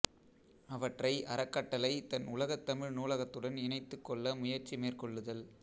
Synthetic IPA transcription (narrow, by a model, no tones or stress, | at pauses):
ɐʋɐʈrɐɪʔɐɾɐkːɐʈːɐlɐɪt̪ɐnʊlɐɣɐt̪ːɐmɪɻnuːlɐɣɐt̪ːɯɽɐnɪnɐɪt̪ːɯkːɔɭːɐmʊjɐɾt͡ʃimeːrkɔɭːɯðɐl